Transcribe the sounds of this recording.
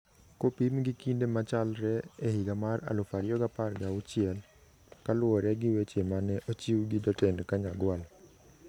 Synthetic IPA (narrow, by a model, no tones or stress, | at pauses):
kopimɡɪkindemat͡ʃalɾɛeɦiɡamaɾa̰lʊfaɾjɔɡaparɡaʊt͡ʃɪɛl | kalwɔɾɛɡɪwet͡ʃemanɛʔɔt͡ʃiwɡɪdɔtɛnkaɲaɡwal